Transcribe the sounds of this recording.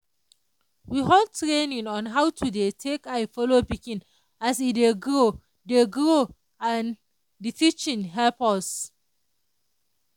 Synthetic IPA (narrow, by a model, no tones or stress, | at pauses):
wiɦɔtɹenĩŋɔ̃nɦawtʰudetʰekajfɔlopikĩn | asideɡɹo | deɡɹo | ãn | ditʰit͡ʃĩnɦɛlpas